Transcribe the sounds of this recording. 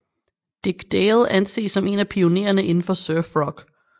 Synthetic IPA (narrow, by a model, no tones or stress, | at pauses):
d̥eɡ̥d̥elˠænse̝̰ːsːɒ̽me̝̰næpʰio̝ne̝̰ɐnəʔe̝nn̩fɒ̽sœɐfʁɒ̽ɡ̥